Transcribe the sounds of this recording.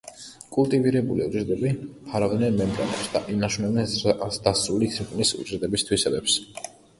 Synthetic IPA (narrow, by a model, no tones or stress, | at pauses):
kʼulˠt̪ʼiviɾɛbuliuzʼɾt̪ʼɛbipʰaɾavd̪nɛnmɛmbʼɾa̰nɛ̰psd̪a̰ʔinaʃunɛbnɛnd̪̥asɾulisʰiqʼnisṵzʼɾt̪ʼɛbist̪ʰwisɛbɛps